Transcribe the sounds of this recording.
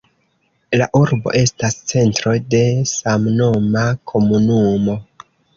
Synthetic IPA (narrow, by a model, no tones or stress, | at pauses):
laʔuɾbo̞̰ʔe̞stast͡se̞ntɾo̞de̞samnomakʰo̞munumo̞